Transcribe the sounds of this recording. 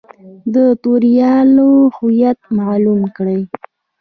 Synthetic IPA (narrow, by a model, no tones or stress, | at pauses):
d̪ət̪oɾjɑlohujat̪̚malumkɽəj